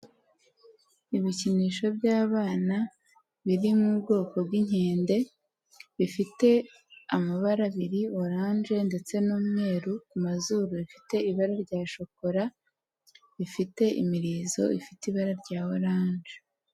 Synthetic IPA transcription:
iβiciniːʃo̞bɟaːβaːna | βiɾimubɡo̞ːko̞b̚ɡiɲeːnde̞ | βifite̞ | amaβaɾaβiɾioɾaːnʒe̞nde̞t͡se̞nuːmŋe̞ːɾukumazuːɾuifi̥te̞iβaɾaɾɟaːʃoko̞ɾa | βifite̞ʔḭmiɾizo̞̰ḭfitiβaɾaɾɟaːwoɾaːnʒe

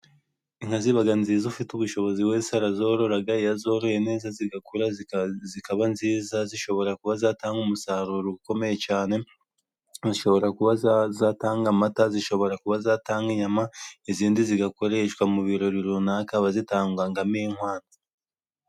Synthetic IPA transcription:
iŋ̥haziβaɡanziːzufituβuʃo̞βo̞ziweːsaɾazo̞ɾo̞ɾaɡaijazo̞ɾojene̞ːzaziɡakuɾazikaβanziːzaziʃo̞βo̞ɾakuβazaːtaːŋɡumusaɾuɾuɡuko̞me̞je̞t͡ʃaːne̞ | ziʃo̞βo̞ɾakuβazataːŋɡamataziʃo̞βo̞ɾakuβazaːtaːŋɡiɲamaiziːndiziɡako̞ɾe̞ʃkwamuβiɾo̞ɾiɾunakaβazitaːŋɡwaŋɡamiŋhwaːnda

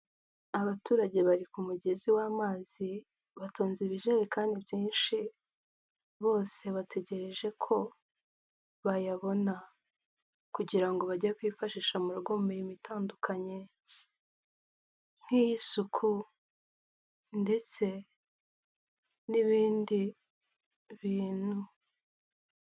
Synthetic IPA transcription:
aβatuːɾaɟe̞βaɾikumuɟe̞ziwaːmaːzi | βatʰo̞ːnziβiʒeɾekaːndibjiːnʃi | βo̞ːse̞βatʰe̞ɟe̞ɾe̞ʒe̞kʰo̞ | βajaβo̞na | kuɟiɾaŋɡo̞βaɟajekwifaʃiːʃamuɾuɡo̞mumiɾimuitʰaːndukʰaɲe̞ | n̥hijisukʰu | nde̞t͡se̞ | niβiːndi | βiːn̥hu

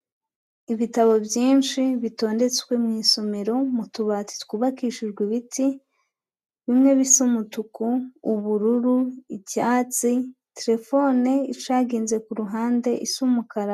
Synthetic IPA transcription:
iβitaβo̞bjiːnʃiβito̞ːnde̞t͡skwemŋiːso̞me̞ɾo̞mutuβaːt͡si̥tkuːβakiːʃiʒɡwiβitʰi | βimŋe̞βisumutukuːβuɾuɾuicaːt͡si | teɾe̞fo̞neit͡ʃaːɡiːnze̞kuɾuɦaːnde̞ʔisumukaɾa

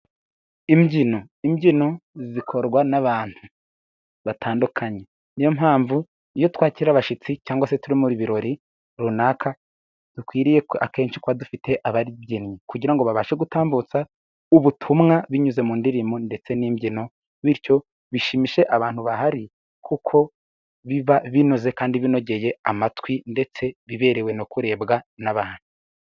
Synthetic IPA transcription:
imɟino̞ | imɟino̞zzikʰo̞ɾɡwanaβaːn̥hu | βatʰaːndukʰaɲe̞ | nijo̞mɦaːɱvu | ijo̞twaːciɾiɾaβaʃit͡sicaːŋɡwasetuɾimuɾiβiɾo̞ɾi | ɾunakʰa | d̥ukwiːɾije̞a̰ke̞ːnʃikwadufite̞ʔaβaɾiβɟinɲikuɟiɾaŋɡo̞βaβaʃe̞ɡutaːmbut͡sa | uβutʰumŋaβiɲuze̞muːndiɾimonde̞t͡se̞niːmbjino̞ | βiɾco̞ | βiʃimiʃe̞ʔaβaːn̥huβaɦaɾi | kʰukʰo̞ | βiβaβinoze̞kaːndiβino̞ɟe̞je̞a̰matwinde̞t͡se̞βiβe̞ɾewe̞nokuɾe̞ːbɡanaβaːn̥u

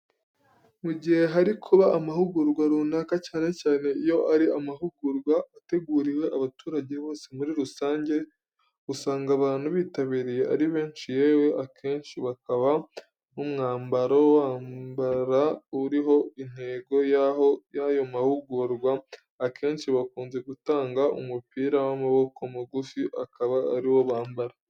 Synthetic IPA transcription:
muɟihe̞ɦaɾikʰuβaʔːmaɦuɡuɾɡwaɾuːnakacaːne̞caːne̞ijo̞ʔaɾiʔamaɦuɡuɾɡwaːte̞ɡuːɾiwe̞ʔaβatuːɾaɟe̞βo̞ːse̞muɾiɾusaːɲɟe̞ | usaːŋɡaβaːn̥huβiːtaβiɾije̞ʔaɾiβe̞ːnʃijeːwe̞ʔakʰe̞ːnʃiβakaβa | numŋaːmbaɾowaːmbaɾauɾiɦo̞in̥he̞ɡo̞jaojajo̞mahuɡuɾɡwaː | kʰe̞ːnʃiβakuːnze̞ɡutaːŋɡaʔṵmupiːɾawamaβo̞komuɡufiʔakaβa̰ːɾiwo̞βaːmbaɾa

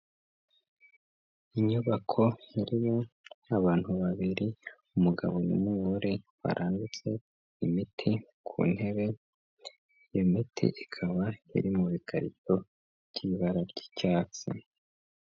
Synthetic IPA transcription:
iɲuβakʰo̞iɾimo̞aβaːn̥huβaβiɾi | umuɡa̰βo̞nṵmuβuɾeβa̰ɾʔaːndut͡se̞ | imitʰikʰṵːn̥he̞βe̞ | jemitʰḭʔikʰaβaḭɾimuβikʰaɾḭto̞ | bɟ̥iβaɾaɾɟi̥caːt͡sḭ

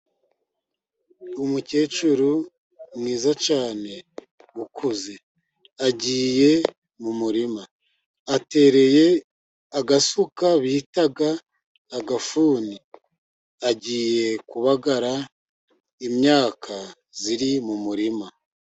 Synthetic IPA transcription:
umuce̞ːt͡ʃuɾu | mŋiːzat͡ʃaːne̞ | wukʰuze̞ | aɟiːje̞ | mumuɾimaː | te̞ːɾe̞je̞ | aɡasukaβiitaɡaː | ɡafuːni | aɟiːje̞kuβaɡaɾa | imɲaːkʰa | ziɾimumuɾima

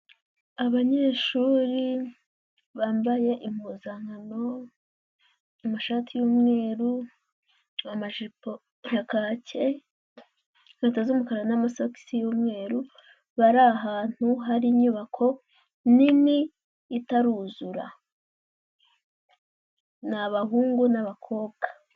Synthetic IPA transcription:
aβaɲe̞ːʃuːɾi | βaːmbaje̞ʔimuːzaŋano | amaʃaːtʰijoːmŋe̞ːɾu | amaʒipo | akaːce | ŋetazumukaɾanamasoki̥sijoːmŋe̞ːɾu | βaɾaɦaːn̥huɦaɾiːɲuːβakʰo̞ | nimiː | taɾuzuɾa̰ | naβaɦuːŋɡunaβakʰo̞ːbɡ̥ḁ

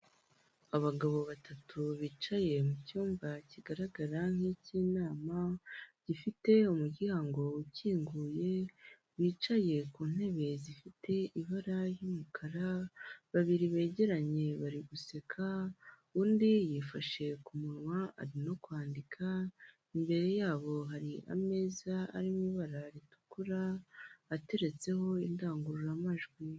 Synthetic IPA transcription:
aβaɡaβo̞βatatʰuβiːt͡ʃaje̞mucuːmbaciɡaɾaɡaɾaŋ̥hiciːnaːmaɟ̥ifite̞umuɟihaŋɡo̞uciːŋɡuːje̞ | βiːt͡ʃaje̞kuːn̥he̞βe̞zifite̞ʔiβaɾajumukʰaɾaβaβiɾiβe̞ːɟe̞ɾaɲe̞βaɾiɡuse̞kʰa | uːndijiːfaʃe̞kumuɾwaa̰ɾino̞kwaːndikʰa | imbe̞ɾe̞jaːβo̞ɦaɾiʔa̰me̞ːzaa̰ɾimiβaɾaɾitu̥kuɾaː | te̞ɾe̞t͡se̞ho̞indaːŋɡuɾuɾamaʒɡwi

